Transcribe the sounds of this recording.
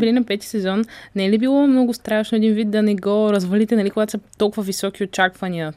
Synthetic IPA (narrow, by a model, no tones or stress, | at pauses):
bɛlinɐpɛt̪i̥sɛzɔnnɛlibilˠɔmnɔɡʊst̪ɾaʃnoɛd̪invit̪̚d̪ɐnɛɡɔɾɐzvɐlit̪ɛnɐlikoɡat̪o̥sət̪olˠkʊvɐvisɔk̟iot͡ʃakvɐniə